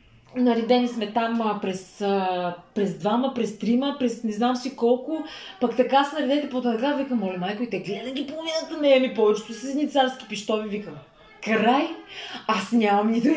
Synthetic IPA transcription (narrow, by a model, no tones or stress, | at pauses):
nɐɾid̪ɛnismɛt̪ampɾɛsəpɾɛzd̪vaməpɾɛst̪ɾiməpɾɛsnɛznamsikɔlˠkʊpɐkt̪ɐkasnɐɾɛd̪ɛt̪ɛpot̪ɛt̪ɐkavikəmɔlʲɛmajkoit̪ɛɡlɛd̪əɡʲipolˠovinət̪ənɛɛmipɔvɛt͡ʃɛ̥t̪ʊsisnʲit̪saɾskʲi̥piʃt̪ɔvivikəm | kɾajasnʲamɐmnit̪u